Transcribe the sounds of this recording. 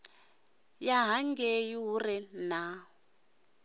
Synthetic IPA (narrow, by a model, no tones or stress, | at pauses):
jaɦaŋɡejuurɛna